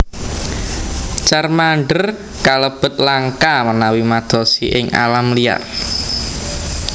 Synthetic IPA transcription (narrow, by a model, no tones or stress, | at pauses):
t͡ʃarmaɳɖər | kaləb̥ə̤t̪̚laŋkamənawimad̪̥ɔ̤siʔɪŋʔa̰lamlija̰r